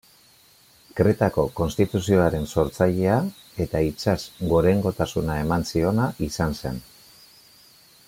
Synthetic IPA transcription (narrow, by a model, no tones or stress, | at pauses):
kɾe̞t̪ako̞ko̞nst̪it̪usio̞aɾe̞nso̞ɾt͡saʎe̞a | e̞t̪ait͡ʃasɡo̞ɾe̞ŋɡo̞t̪asunae̞mansio̞naʔisanse̞̰n